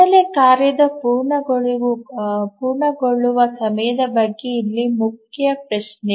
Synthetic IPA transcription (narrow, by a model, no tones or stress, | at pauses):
ɐlekaːɾjɐd̪ɐpuːɾɳɐɡɭ | puːɾɳɐɡoɭːuʋɐsɐmɐjɐd̪ɐbɐɡːeilːimukʰjɐpɾɐʃne